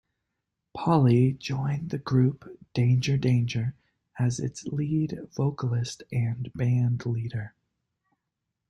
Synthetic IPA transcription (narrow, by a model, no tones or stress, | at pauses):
pʰɑlˠid͡ʒɔ̃ɪ̃nðɨɡɹʉpd̥ẽɪ̃nd͡ʒə˞dẽɪ̃nd͡ʒə˞ | ɨzɪ̰tslidv̥oʊkəl̩ˠɪstɨ̃nbæ̃ndˡliɾə˞